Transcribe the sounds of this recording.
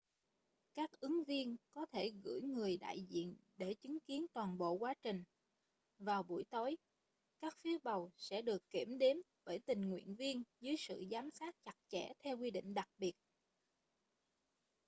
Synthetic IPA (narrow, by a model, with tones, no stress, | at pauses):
kaː˦˥k̚ʔɨ˨˦ŋvi˧ənkɔ˨˦t̪ʰe˧˩ɣɨ̰˧˥jŋɨ˨˩əjɗa̰ː˧˨jzḭ˧˨ənɗe˧˩t͡ɕɨ˨˦ŋki˨˦ənt̪waː˨˩nɓo̰˧˨kwaː˨˦t͡ɕï˨˩ŋ̟ | vaː˨˩wɓu˧˩jt̪o˨˦j | kaː˦˥k̚fi˨˦əwɓə˨˩wsɛ̰˧˥ɗɨ˨˩əkːi˧˩əmɗe˨˦m | ɓəː˧˩jt̪ï˨˩ŋ̟ŋwḭ˧˨ənvi˧ənzɨ˨˦jsɨ̰˧˨zaː˨˦msaː˦˥t̚t͡ɕa˨˩t̚t͡ɕɛ̰˧˩t̪ʰɛ˧wkwi˧ɗḭ̈˧˨ŋ̟ɗa˨˩k̚ɓi˨˩ət̚